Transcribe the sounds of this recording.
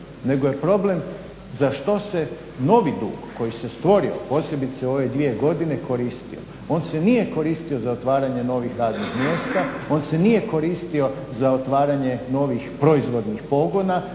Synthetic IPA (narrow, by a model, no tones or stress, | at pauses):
ne̞ɡojepɾo̞ble̞m | zaʃt̪o̞se̞ | no̞ʋid̪ṵːɡko̞jise̞st̪ʋo̞ɾio̰po̞ːse̞bit̪seo̞ʋe̞d̪ʋie̞ɡo̞d̪ine̞ko̞ɾiːst̪ḭo̞̰ | o̞nsenije̞ko̞ɾiːst̪io̞zaot̪ʋaːɾaɲe̞no̞ʋixɾaːznixmjeːst̪ao̞ːnse̞nije̞ko̞ɾiːst̪io̞ | zaot̪ʋaːɾaɲe̞no̞ʋixpɾo̞izʋo̞d̪nixpo̞ɡo̞na